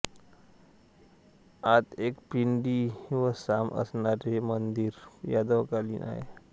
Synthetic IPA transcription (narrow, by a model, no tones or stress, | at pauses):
at̪ekpiɳɖiʋəsamə̰sɳaɾemənd̪iːɾjad̪əwkalḭnʔa̰ɦḛ